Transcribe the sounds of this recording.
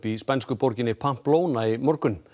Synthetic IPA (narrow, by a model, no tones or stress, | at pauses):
pispɛnskʏpoɾcɪnɪpʰam̥ploːwnaimɔɾkʏn